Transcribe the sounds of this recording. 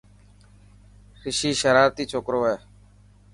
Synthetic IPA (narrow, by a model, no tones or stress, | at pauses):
xɪʃiːʃəɾaːɾt̪iːt͡ʃʰoːkɾoːɦɛː